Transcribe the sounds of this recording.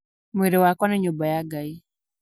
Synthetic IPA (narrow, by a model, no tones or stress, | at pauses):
meɾewakwɔneɲobajaɡai